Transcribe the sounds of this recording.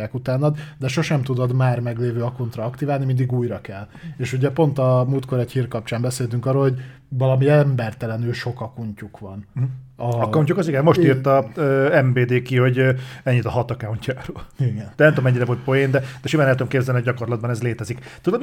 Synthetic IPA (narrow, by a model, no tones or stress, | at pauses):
ɛkut̪aːnːɒd̪d̪ɛʃo̞ʃɛmt̪ud̪od̪maːrmɛɡleːvøːɒkunt̪rɒɒkt̪ivaːlnimind̪iɡuːjrɒkɛlːeːʃuɟɛpo̞nt̪ɒmult̪̚koɾɛchiːrkɒp̚t͡ʃaːmbɛseːlt̪yŋkɒːrːoːlhoɟ | vɒlɒmiɛmbɛrt̪ɛlɛnyːʃo̞kɒkuɲcukʋɒnɒɒuɲcukɒziɡɛnmo̞ʃit̪ːɒøɛmbeːd̪eːkiho̞ɟɛɲːit̪ɒɦɒt̪ɒkauɲcaːɾoːliɡɛnd̪ɛnɛmt̪omɛɲːiɾɛvolt̪̚pojend̪ɛd̪ɛʃimanlɛt̪omkeːbzɛlniɒɟɒko̞rlɒd̪̚bɒnɛzleːt̪ɛzikt̪ud̪om